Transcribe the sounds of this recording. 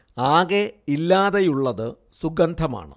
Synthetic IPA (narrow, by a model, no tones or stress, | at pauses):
aːɣeilːaːðejuɭːɐðɨ | suɡɐnd̪ʱɐma̰ːɳɨ̰